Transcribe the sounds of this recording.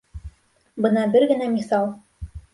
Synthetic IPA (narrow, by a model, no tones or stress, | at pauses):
bɤnɑbɘɾɡɘ̆næmiθɑlˠ